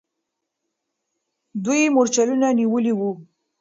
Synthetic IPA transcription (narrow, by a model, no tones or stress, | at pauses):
d̪ujmoɾt͡ʃalunaniwəliwu